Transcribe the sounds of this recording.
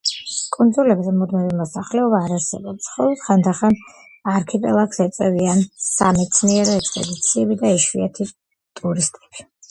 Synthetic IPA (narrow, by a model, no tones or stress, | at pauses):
kʼund̪zulɛbzɛmud̪mɛvɛmɔsaχlɛɔbaːɾasɛ̰bɔpsχɔlɔχand̪aχan | aɾkʰɛpʼɛ̰lˠaksɛt̪sʼɛviansamɛt̪sʰniɛɾɛɛkspʼɛ̰d̪it̪sʰiɛbid̪aɛʃwiat̪ʰi | t̪ʼuɾist̪ʼɛ̥b̥i̥